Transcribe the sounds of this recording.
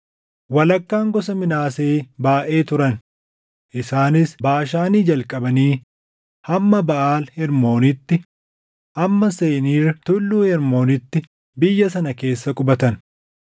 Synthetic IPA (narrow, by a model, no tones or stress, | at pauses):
wɐlɐkːaːŋɡɔsɐmɪnaːseːbaːʔe̞ːt̪ʊɾɐn | ʔɪsaːnɪsbaːʃaːniːd͡ʒɐlkʼɐbɐniː | hɐmːɐbɐʔaːlhɛɾmo̞ːnɪt̪ːɪ | ʔɐmːɐseːniːrɐt̪ʊlːuːhɛɾmo̞ːnɪt̪ːɪ | bɪjːɐs̬ɐnɐke̞ːsːɐkʼʊbɐt̪ɐn